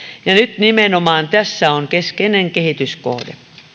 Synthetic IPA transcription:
jɑnyt̪nimenomɑːnt̪æsːæoŋkeskeneŋkehit̪ysko̰hdḛ

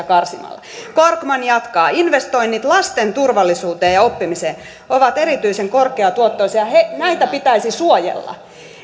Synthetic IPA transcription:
kɑrsimɑ̰lːɑ̰korkmɑnjɑt̪kɑːinʋest̪oinːit̪lɑst̪ent̪urʋɑlːˑisuːt̪eːjɑopːimiseː | oʋɑt̪eɾit̪yiseŋkorkˑeɑt̪uot̪ːoisɑjɑhenæit̪æpit̪æisisuojḛlːɑ̰

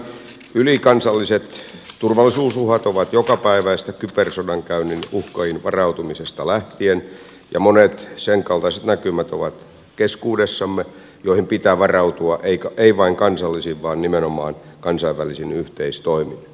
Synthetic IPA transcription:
ylikɑnsɑlːiset̪t̪urʋɑlːˑisuːsuhɑt̪oʋɑt̪jokɑpæiʋæist̪ækypersodɑŋkæynːinuhkɑinʋɑrɑut̪umisest̪ɑlæht̪ien | jɑ̰monet̪seŋkɑlt̪ɑiset̪nækymæt̪oʋɑt̪ | keskuːdesːɑmːe | joihimpit̪æːʋɑrɑut̪uɑʔeikæeiʋɑiŋkɑnsɑlːisiʋʋɑːnnimenomɑ̰ːn | kɑnsɑiʋʋælisinyht̪eist̪oimin

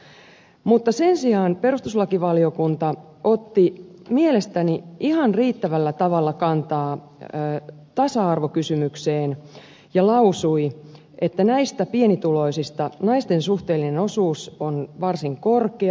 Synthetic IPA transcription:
mut̪ːɑse̞nsiɑːnpe̞ɾust̪uslɑkiʋɑliokunt̪ɑ | o̞t̪ːimielest̪æniihɑnriːt̪ːæʋælːæt̪ɑʋɑlːɑkɑnt̪ɑː | t̪ɑsɑɑrʋokysymykseːn | jɑlɑusui | ʔet̪ːænæist̪æpienit̪ulo̞isist̪ɑnɑist̪e̞nsuht̪eːlːinenosuːsonʋɑrsiŋko̞rke

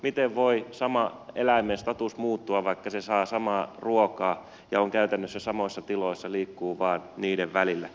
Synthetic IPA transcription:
mit̪eʋʋoisɑmɑḛlæimːenst̪ɑt̪usmuːt̪ːuɑʋɑikːɑsesɑːsɑmɑːruokɑː | jɑoŋkæyt̪ænːøsːæsɑmoisːɑt̪iloisːɑliːkːuːʋɑːnniːdeʋʋælilːæ

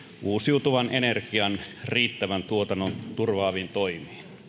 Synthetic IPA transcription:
ʔuːsiut̪uʋɑnʔenerkiɑnriːt̪ːæʋænt̪uot̪ɑnːont̪urʋɑːʋint̪oimiːn

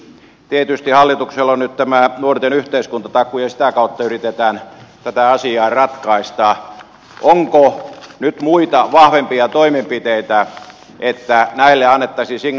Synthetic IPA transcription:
t̪iet̪yst̪ihɑlːit̪ukselːonnyt̪t̪æmænuort̪enyht̪eiskunt̪ɑt̪ɑkːˑujɑsi̥t̪ækɑut̪ːɑyrit̪et̪æːnt̪æt̪æɑsiɑːrɑt̪kɑist̪ɑː | ʔoŋkonyt̪muit̪ɑʋɑhʋempiɑt̪oimempit̪eit̪æ | ʔet̪ːænæilːeɑnːet̪ːɑsisiŋ

